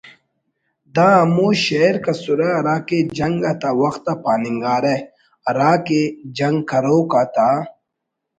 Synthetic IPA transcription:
d̪aːɐmoːɕeɾkasuɾɐɐɾaːked͡ʒɐŋɡɐt̪awɐxt̪apaːniŋɡaːɾe | ɐɾaːked͡ʒɐŋɡkɐɾoːkaːt̪aː

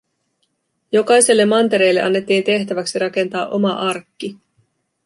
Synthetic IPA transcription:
jo̞kɑjse̞lːemːɑnt̪e̞ɾe̞jlːe̞̰ʔɑnːe̞t̪ːiːnt̪e̞ht̪æʋæksiɾɑke̞nt̪ɑːʔo̞mɑʔɑrkːi

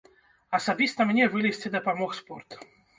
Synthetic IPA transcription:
ɐsabʲist̪ɐmnʲɛvɨlʲisʲt͡sʲɨd̪ɐpamɔxspɔrt̪

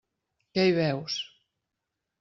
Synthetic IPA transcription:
kɛjβɛws

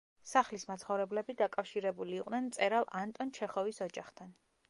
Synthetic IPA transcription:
saχlismat̪sχɔvɾɛblɛbid̪akʼafʃiɾɛbuliːqʼnɛnt̪sʼɛɾalˠʔant̪ʼɔnt͡ʃʰɛχɔvisɔd͡ʒaχt̪ʰan

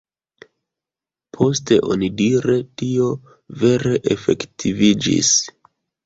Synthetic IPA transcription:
pʰo̞ste̞ʔo̞̰nidiɾe̞tio̞ | ve̞ɾe̞ʔefe̞̰ktʰivid͡ʒḭs

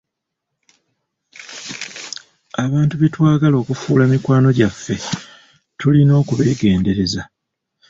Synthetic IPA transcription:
aβaːntuβe̞twaːɡalo̞ːkufuːlamikwaːno̞ɟafːe̞ | tulino̞ːkuβe̞ːɡe̞ːnde̞ɾe̞za

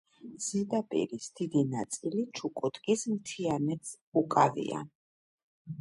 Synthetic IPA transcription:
z̥id̪apʼḭɾisd̪̥id̪inat̪sʼilit͡ʃʰukʼut̪ʼkʼismt̪ʰianɛt̪s | ukʼavḭa̰n

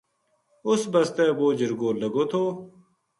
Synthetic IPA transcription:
ʊsbəst̪eːboːd͡ʑɪɾɡoːləɡoːt̪ʰoː

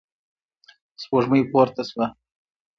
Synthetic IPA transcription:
spoʐməjpoɾt̪aswa

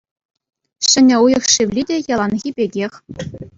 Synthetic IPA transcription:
ɕɘ̆nʲɘ̆ujɤ̆χʂiʋʲlʲidʲejɑlˠɑnɣʲibʲeɡʲexʲ

